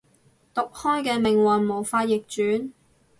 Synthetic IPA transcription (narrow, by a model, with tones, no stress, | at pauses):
t̪ʊ˨k̚hɔː˥jkɛː˧mɪ˨ŋwɐ˨nmo˨˩wfaː˧t̚jɪ˨k̚t͡ʃyː˨˥n